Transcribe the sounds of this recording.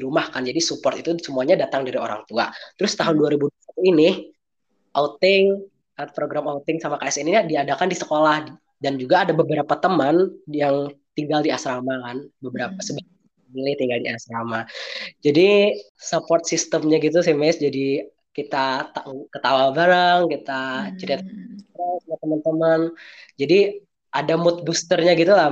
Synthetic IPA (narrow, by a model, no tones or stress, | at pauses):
iɾumahkand͡ʒadisupɔrt̪it̪usəmuaɲadat̪aŋdaɾio̰ɾa̰ŋt̪ua̰t̪əɾʊst̪aɦʊnduaɾibudusat̪inɪ | ʔaut̪ɪŋ | əpɾoɡɾamaut̪ɪŋsamakaɛsɛniɲadiadakandisəkolah | dand͡ʒuɡaːdabəbəɾapat̪əmənjaŋt̪iŋɡaldiasɾamakanbəbəɾapasəbaɡ | milɪht̪iŋɡaldiasɾamad͡ʒadisapɔrt̪̚sist̪əmɲaɡit̪̬usɛmɛsd͡ʒadi | kit̪at̪akət̪awabaɾaŋkit̪at͡ʃəɾiat̪̚st̪ɾɛsmat̪əmant̪əmənd͡ʒadi | ʔadamʊt̪̚bust̪ərɲaɡit̪ula